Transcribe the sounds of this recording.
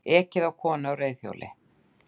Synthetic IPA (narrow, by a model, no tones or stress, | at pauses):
ɛːcɪðawkʰɔːnɪawreːjðθjo̰wlʔɪ̰